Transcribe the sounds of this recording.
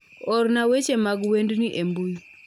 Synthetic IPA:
ɔɾnawet͡ʃemaɡwendniʔembuji

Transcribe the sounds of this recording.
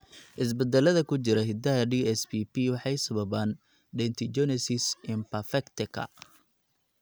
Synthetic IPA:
ʔɪs̬bɛd̪ɛlɐðɐkʰʊt͡ʃɪɾɐɦɪd̪ɐɦɐɖiːɛspipiwɑħɑjsɐβɐβaːn | ɖɛnt̪ʰɪt͡ʃɛnɛsɪsɪmpɐfɛkt̪ɪkʰɐ̰

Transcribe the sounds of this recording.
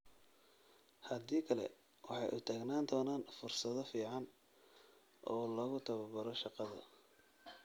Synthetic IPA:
hɐd̪iːkʰɐlɛ̰ | wɑħɑjʔʊt̪ʰaːɡnaːnd̪ʰɔːnaːnfʊrsɐðɔfiːʕɑn | ʔɔːlɔːɣʊt̪ʰɐβɐbɐɾɔʃɑqɑðɐ̰

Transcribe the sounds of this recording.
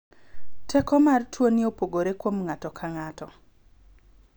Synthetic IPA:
tʰɛkɔmartʰwoniopoɡoɾekwomŋatɔkʰaŋatɔ

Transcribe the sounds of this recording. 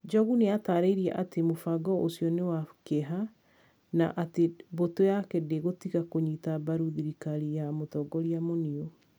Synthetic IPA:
d͡ʒɔɣuneataːɾeiɾiɛ̰ʔatemofaɡɔʔosjɔnewakeɦa | na̰ʔatebotojakɛdeɣotiɣakoɲitabaɾuðiɾikaɾijamotɔɡɔɾiamonio

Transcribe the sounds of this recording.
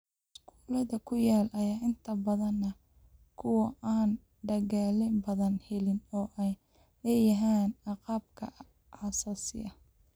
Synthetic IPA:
ɪskʰu̥ːlɐðɐkʰʊjaːlʔɐjaːʔɪnt̪ʰɐbɐðɐnːɐ | kʰʊwɐʔaːn | ɖɐɣaːlɪmbɐðɐnhɛlɪnɔːʔɛj | lɛːjɐɦaːnɑqɑːbkʰɐ̰ | ʕɑsaːsɪ̰ɐ

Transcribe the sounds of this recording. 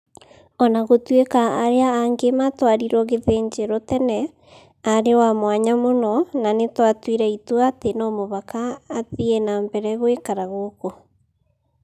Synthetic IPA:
ɔnaɣotwekaːɾeaaŋɡematwaɾiɾwɔɣeðeɲd͡ʒeɾɔtɛnɛ | aɾewamwaɲamonɔnanetwatwiɾɛituatenɔmoβakaːðienaːmbɛɾɛɣoekaɾaɣoːko

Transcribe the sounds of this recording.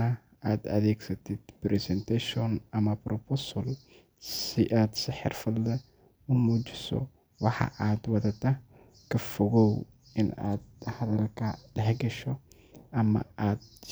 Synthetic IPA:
ɐ | aːd̪ɐ̰ðeːksɐt̪ɪd̪pɾɛsɛnt̪aʃiɔnɐmɐpɾʔɔposɔl | sɪʔaːd̪sɪħɪ̰rfʊld̪ɐ | ʊmuːd͡ʒɪsɔ̰ | wɑħɑ̰ʔaːd̪wɐðɐt̪ːɐ | kʰɐfɔɣɔw | ɪna̰ːd̪hɐðɐlkʰɐlɐɦɛɡɐʃɔ | ʔɐmɐ̰aːd̪̚

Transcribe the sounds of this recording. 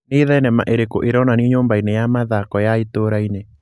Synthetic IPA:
neiðɛnɛma̰ʔeɾekoʔeɾɔnaniɲoːmbainejamaðakɔjaetoːɾaine

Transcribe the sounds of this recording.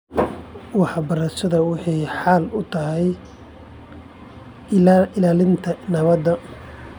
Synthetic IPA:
wɑħɑbɐɾɐʃɐðɐwɑħɑjħɑːlʊt̪ʰɐɦɛj | ɪlaːlɪnt̪ʰɐnɐβɐd̪ːɐ

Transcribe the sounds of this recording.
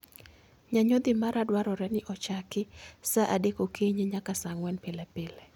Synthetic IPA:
ɲaɲod̪ɪmaɾadwaɾɔɾɛnɪʔɔt͡ʃakɪsaʔadekokʰeɲeɲakasaŋwɛnpɪlɛpɪlɛ

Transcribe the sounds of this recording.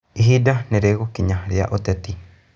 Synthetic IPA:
iɦidaneɾeɣokiɲaɾja̰ʔot̪ɛt̪i

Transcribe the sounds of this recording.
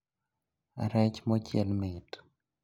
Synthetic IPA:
a̰ɾɛt͡ʃmɔt͡ʃjɛlmɪt

